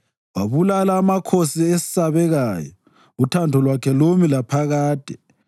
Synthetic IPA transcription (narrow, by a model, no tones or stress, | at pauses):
waβulalaːmakʰosiesi̥saβɛɣaːjɔ | utʰandʱɔlwakʰɛlomilapʰaɣaːd̥ʱɛ